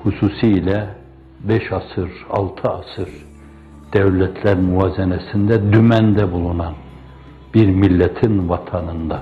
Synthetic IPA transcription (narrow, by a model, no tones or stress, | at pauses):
hususiilʲɛ | bɛʃɑsɯɾɑ̰lˠt̪ʰɯasɯɾ | d̪̥ɛvlʲɛt̪ʰlʲæɾmyvaːzɛnɛsind̪ɛd̪ymænd̪ɛbulˠunɑn | biɾmilʲːɛt̪ʰinvɑt̪ʰɑnɯnd̪a